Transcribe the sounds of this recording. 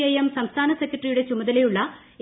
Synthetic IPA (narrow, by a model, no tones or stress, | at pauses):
ejemsɐmst̪ʰaːnɐsekʲːjɐʈrijuɽe̞t͡ɕumɐðɐlejuɭːɐ